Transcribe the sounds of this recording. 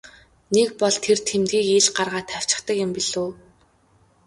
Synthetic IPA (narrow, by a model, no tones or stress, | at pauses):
nekpɔɮt̪ʰert̪ʰemt̪̚ɡiːkiɮɢarʁaːt̪ʰæw̥ʲt͡ɕɪ̥̆χt̪ə̆kjɪ̆mpiɮoː